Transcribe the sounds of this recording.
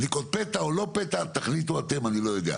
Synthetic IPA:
nikot̪̚pet̪aolo̞pet̪at̪aχlit̪uat̪e̞manilo̞jo̞d̪ḛa̰

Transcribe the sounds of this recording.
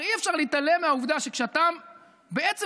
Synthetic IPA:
iefʃaʁliit̪alemeauvd̪aʃekʃeat̪am | beett͡se

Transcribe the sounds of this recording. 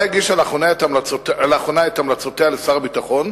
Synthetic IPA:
aɡiʃalaχonaetamlaotelaχonaet̪amlat͡sotealesaʁabitaχo̞n

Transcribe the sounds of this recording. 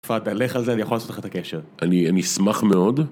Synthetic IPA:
fat̪aleχalzeanijaχolaːsotleχat̪akeʃeʁanianismaχme̞o̞d̪

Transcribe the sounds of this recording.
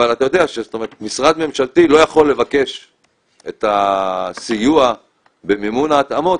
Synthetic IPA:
alat̪ajo̞d̪eaʃezot̪oeʁet̪misʁad̪me̞mʃalt̪ilo̞jaχo̞lːe̞vake̞ʃ | et̪asijua | be̞mimunaːt̪amo̞

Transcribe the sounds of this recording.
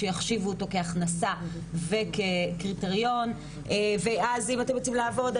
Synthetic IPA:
ejaχʃivuoto̞ke̞aχnasa | ve̞kekʁite̞ʁjo̞n | ʔeveʔazimatemʁot͡simlaːvo̞d

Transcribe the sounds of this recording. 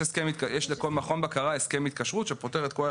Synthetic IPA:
eskemit̪̚kajɛʃleko̞lmaχo̞nbakaʁaeskemit̪̚kaʃʁut̪ʃepo̞teʁet̪̚ko

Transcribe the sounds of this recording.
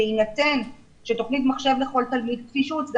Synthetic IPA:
inate̞n | ʃet̪o̞χnit̪maχʃe̞vle̞χo̞lt̪almid̪̚tfiʃut͡sɡ

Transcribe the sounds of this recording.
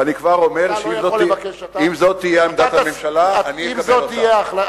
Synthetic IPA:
anikvaʁo̞meʁʃeimzoimzo̞t̪ːijeaemd̪athamemʃalaːnimekab̪ije

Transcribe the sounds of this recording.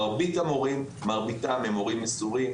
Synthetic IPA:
ʁbit̪amoʁim | maʁbitamemoʁimːesuʁim

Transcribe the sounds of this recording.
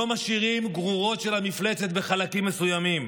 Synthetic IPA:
omaʃiʁimɡʁuʁo̞t̪ʃe̞lhamifle̞t͡set̪be̞χalakimːe̞sujamim

